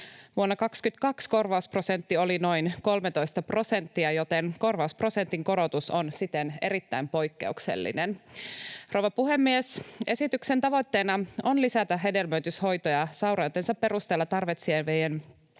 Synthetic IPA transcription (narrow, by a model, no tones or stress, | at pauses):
ʋuonːɑkɑkskyt̪kɑksko̞rʋɑuspro̞se̞nt̪ːiolino̞jnko̞lmet̪o̞jst̪ɑpro̞se̞nt̪ːiɑjot̪eŋko̞rʋɑuspro̞se̞nt̪iŋko̞ɾo̞t̪usonsit̪ene̞̰ɾit̪ːæjmpo̞jkːe̞̰uksḛlːḭnen | ro̞wʋɑpuɦe̞mːiese̞sit̪yksent̪ɑʋo̞t̪ːe̞ːnɑonlisæt̪æɦe̞delmøyt̪ysho̞jt̪ojɑsɑwɾɑjot̪ːensɑpːe̞ɾust̪elːɑt̪ɑrʋet̪sienʋejen